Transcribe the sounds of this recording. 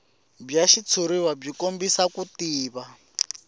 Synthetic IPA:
b͡ʐaʃit͡sʰuɾiwab͡ʐikombisakutiːβa

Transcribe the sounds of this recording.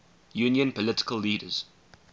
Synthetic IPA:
juːnjə̃npəlɪtɪ̥kəlːiːdəz̥

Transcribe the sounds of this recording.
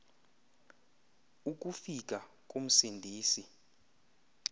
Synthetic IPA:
uk̬ʼufik̬ʼa | k̬ʼum̩sindʱiːsi

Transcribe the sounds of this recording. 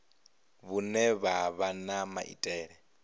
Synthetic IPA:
βunɛβaβanama̰ʔḭtʼɛːɺɛ

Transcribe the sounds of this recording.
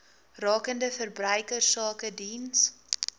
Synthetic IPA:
rɑːkəndəfərbrœjkərsɑːkədins

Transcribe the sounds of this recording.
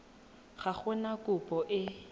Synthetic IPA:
χaχɛnakʼʊpʼɔʔɪ

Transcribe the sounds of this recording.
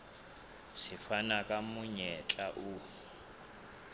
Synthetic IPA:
sifanakʼamuɲɛt͡ɬʼaʔu

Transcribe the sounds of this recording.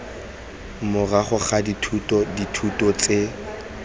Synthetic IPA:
mʊraχʊχaditʰutʼɔditʰutʼɔt͡sʼe

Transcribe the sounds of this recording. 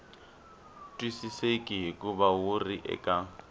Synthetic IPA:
tʼwisisekʼiɦikʼuβawuriʔɛ̰kʼa

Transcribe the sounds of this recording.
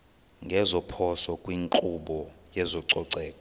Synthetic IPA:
ŋɡʱɛzɔpʰɔsɔkʼwiŋǃʼuɓɔjɛzɔǀɔǀɛːkʼɔ

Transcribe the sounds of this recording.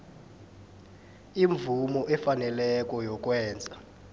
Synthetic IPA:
iɱvumɔʔɛfanɛlɛk̬ʼɔjɔk̬ʼwɛːnd͡zʱa

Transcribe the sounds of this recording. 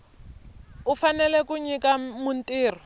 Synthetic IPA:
ʊfanɛlɛkʊɲikamʊn̩tʼiːrɔ

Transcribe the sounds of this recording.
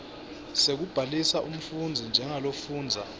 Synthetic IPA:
sek̬ub̥ʱalisaʔum̩fund͡zʱind͡ʒʱɛŋalofuːnd͡zʱa

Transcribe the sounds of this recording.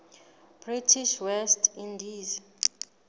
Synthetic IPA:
b̥ritʰiʃwɛstʰindiz

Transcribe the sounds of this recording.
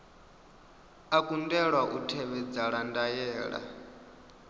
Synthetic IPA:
akʼundɛɺwaʔutʰɛβɛd͡zaɺandajɛːɺa̰

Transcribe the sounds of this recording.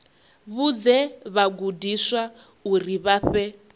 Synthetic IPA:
βud͡zɛβaɡudiswa | uriβaɸɛ

